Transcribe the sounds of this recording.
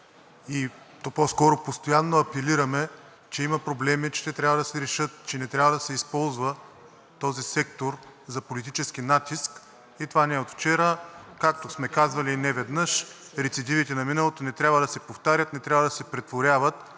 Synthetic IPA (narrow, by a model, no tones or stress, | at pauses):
i | t̪opɔskɔɾopost̪ojanːoɐpɛliɾɐmɛ | t͡ʃɛimɐpɾoblɛmit͡ʃɛ̥t̪ɛt̪ɾʲjabvəd̪ɐsɛɾɛʃɤt̪t͡ʃɛnɛt̪ɾʲavəd̪ɐsɛispɔlˠzvə | t̪ɔzisɛkt̪oɾ | zɐpolit̪it͡ʃɛsk̟inat̪isk | it̪ovanɛot̪ft͡ʃɛɾəkakt̪osmɛkazvɐlinɛvɛd̪nəʃɾɛt̪sid̪ivit̪ɛnɐminɐlˠot̪onɛt̪ɾʲabvəd̪ɐsɛpoft̪aɾʲjət̪nɛt̪ɾʲavɐəd̪ɐsɛpɾɛt̪voɾʲavət̪